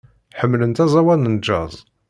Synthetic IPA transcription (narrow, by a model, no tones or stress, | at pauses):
ħəmːlənt̪æzˤɑwælnənd͡ʒːɑ̰zˤ